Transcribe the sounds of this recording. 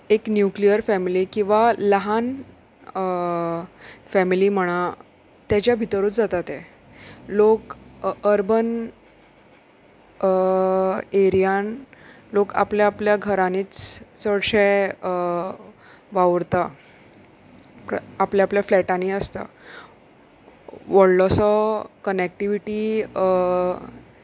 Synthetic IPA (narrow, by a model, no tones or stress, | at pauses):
eknjuklijəɾfɛmilikĩʋaləɦan | fɛmiliːm̤əɽ̃a | t̪jat͡ɕjabʱit̪əɾuːt͡sd͡zat̪at̪e | lokəɾbən | eɾijan | loka̰pljaːpljaɡʱəɾaniːt͡ssəɽɕe | ʋaʋɾt̪a | papljaapljaflɛʈaniəst̪a̰ | ʋəɽlɔsɔkənek̚ʈiʋiʈiː